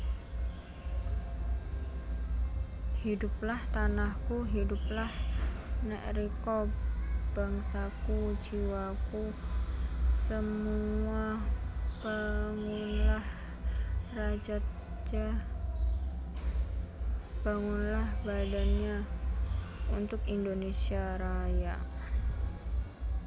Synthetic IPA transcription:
hidup̚laht̪anahkuɦidup̚lahnɛ̰ʔɾikɔb̥aŋsakud͡ʒiwaku | səmua | b̥aŋunlah | rad͡ʒat̪ | t͡ʃa | b̥aŋunlahbadanɲa | unt̪ʊkindonesiaɾaja

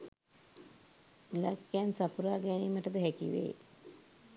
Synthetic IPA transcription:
ilakːænsapuɾaːɡæniməʈəd̪əɦækḭʋḛː

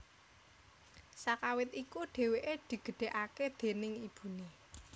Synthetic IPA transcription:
sakawɪt̪ikuɖ̥e̤weʔed̪̥i̤ɡ̥ə̤ɖ̥e̤ʔaked̪̥e̤nɪŋib̥ṳni

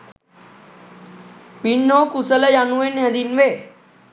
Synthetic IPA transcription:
pinːokusələjaːnuenɦəd̪inʋeː

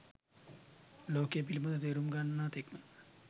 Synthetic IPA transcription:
loːkepilimɐnɐt̪eɾumɡanːat̪eknu

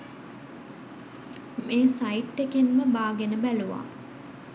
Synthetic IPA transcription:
meːsaiʈːekenməbaːɡenəbæluʋa̰ː

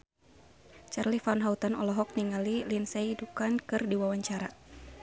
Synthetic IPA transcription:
t͡ʃarlifanɦaut̪anɔlɔɦɔk̚niŋalilinsɛidupankɨrdiwawaɲt͡ʃaɾa

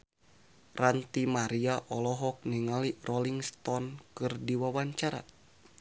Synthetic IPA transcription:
rant̪imaɾiaʔɔlɔɦɔk̚niŋalirɔliŋst̪ɔnkɨrdiwawaɲt͡ʃaɾa̰

